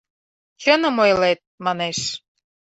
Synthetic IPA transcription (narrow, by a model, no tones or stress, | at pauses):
t͡ɕənə̆mojlet̪̚mɑneʃ